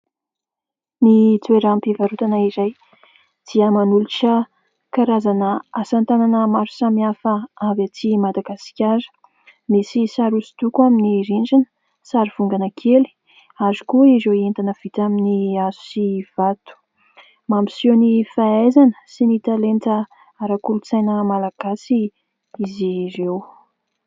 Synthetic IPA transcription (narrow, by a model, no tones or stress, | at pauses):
nit̪ueɾampivaɾut̪anaiɾaj | d̪̥iəmanuluʈ͡ʂə | kaɾazanəasant̪ananəmaɾu̥samiafəavat͡simad̪aɡasi̥kʲaɾə̥ | misisaɾusi̥t̪ukuaminiɾiɳd͡ʒinə̥ | saɾiv̥uŋɡanəkʰeli̥ | azukuizoient̪anəv̥it̪aminiazu̥siv̥at̪u̥ | mamisonifaajzanə̥sinit̪alentə | aɾakulut͡sajnəmalaɡ̥asi | iziɾew